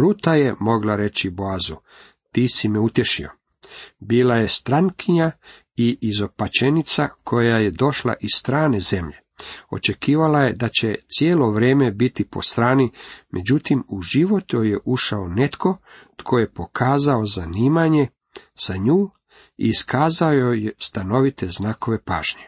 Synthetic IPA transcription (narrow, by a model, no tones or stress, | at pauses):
ɾut̪aje̞mo̞ɡlaɾe̞t͡ɕiboazu | t̪iːsimɛut̪je̞ʃio̞̰ | biːlaje̞st̪ɾaŋkiɲa | iʔːzo̞pat͡ʃenit̪sakʰo̞jaje̞d̪o̞ʃla̰ʔisst̪ɾaːne̞ze̞mʎe̞ | o̞̰t͡ʃe̞kiːʋalaje̞d̪at͡ɕet̪sjeːlo̞ʋɾe̞ːme̞bit̪ipo̰st̪ɾaːnimʔe̞d͡ʑut̪imuʒiʋo̞t̪ojeʔuʃaone̞t̪kʰo̞t̪kʰo̞jepo̞kʰaːzao̞zaniːmaɲe̞ | z̥aɲuː | ḭːskʰaːzaojojest̪ano̞ʋit̪e̞znaːko̞ʋe̞pa̰ːʒ̥ɲe